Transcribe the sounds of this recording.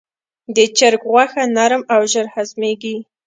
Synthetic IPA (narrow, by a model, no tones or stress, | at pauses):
d̪ət͡ʃəɾkɣwaxanaɾəmawʒəɾhazmeɡi